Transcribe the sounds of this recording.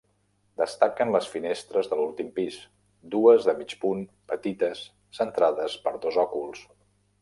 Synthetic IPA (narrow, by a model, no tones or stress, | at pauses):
d̪əst̪akənləsfinest̪ɾəzðəlulˠt̪impis | d̪uəzðəmit͡ʃpun | pət̪it̪əsː | ənt̪ɾaðəspəɾðozɔkulˠs